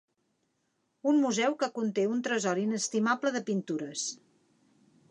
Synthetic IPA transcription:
unmuzɛwkəkunt̪eunt̪ɾəzɔɾinəst̪imabləðəpint̪uɾəs

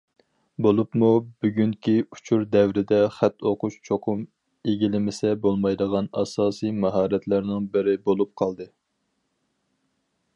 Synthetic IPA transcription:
bolˠupmubyɡʲyŋkʲiu̥t͡ʃʰuɾd̪ɛwɾɪd̪ɛχæt̪ʰːoqʊʃt͡ʃʰoqʰʊm | eɡʲilɪmɪsɛbolˠmɑjd̪əʁɑnɑsɑːsijmɑɦɑːɾɛt̪læɾnɪŋbɪɾɪbolˠup̚qʰɑlˠd̪ɨ

